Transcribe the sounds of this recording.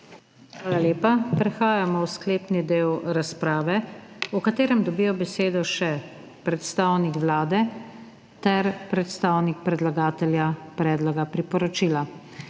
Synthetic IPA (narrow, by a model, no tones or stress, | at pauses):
xʋaːlaljeːpapɾɛxaːjamɔwskleːpnid̪eːwɾaspɾaːʋɛukat̪eːɾɛmd̪ɔbiːjɔbɛseːd̪ɔʃɛ | pɾɛt̪st̪aːwnikʋlaːd̪ɛ | t̪ɛɾpɾɛt̪st̪aːwnik̚pɾɛd̪laɡaːt̪ɛljapɾɛːd̪lɔɡapɾipɔɾɔt͡ʃila